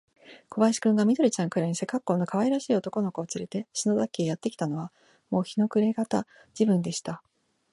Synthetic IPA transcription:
kʰo̞baiɕi̥kɯ̃ŋɡamʲid̪o̞ɾʲit͡ɕãŋkɯ̟ɾaɲ̟ise̞kːakːo̞ːno̞kaβaiɾaɕiːot̪o̞ko̞no̞ko̞ːt͡sɨɾe̞t̪e̞ɕinod̪akːe̞ːjat̪ːe̞kʲi̥t̪ano̞β̞a | mo̞ːçino̞kɯ̟ɾe̞ɡat̪a̰ | d͡ʑibɯ̟̃nd̪e̞ɕi̥t̪a

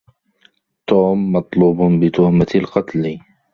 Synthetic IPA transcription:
t̪uːmːɑt̪ˤluːbbɪt̪ʊhmat̪alqɑt̪l

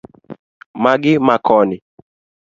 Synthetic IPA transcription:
maɡɪmakʰɔnɪ

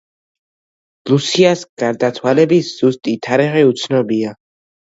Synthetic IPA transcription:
lusiasɡ̥aɾd̪at̪sʰwalɛbisz̥ust̪ʼit̪ʰaɾiʁɛut̪sʰnɔbia

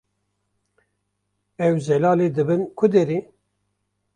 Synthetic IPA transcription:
ɛwzɛlaːleːd̪ɨbɨnkʰʊd̪eɾeː

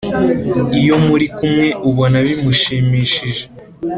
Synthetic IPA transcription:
ijo̞muɾikumŋe̞ʔuβonaβimuʃiːmiːʃiʒe

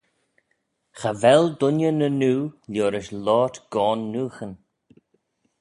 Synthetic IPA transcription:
xavɛld̪ʊnjənənuːljoːɾɪʃlɔːtɡ̥ɔːnːuːxən

